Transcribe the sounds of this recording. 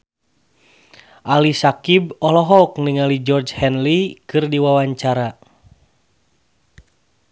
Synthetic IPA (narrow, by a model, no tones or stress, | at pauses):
ʔalisakibɔlɔɦɔuknɨŋalid͡ʒɔrd͡ʒhɛnlikɨrdiwawaɲt͡ʃaɾa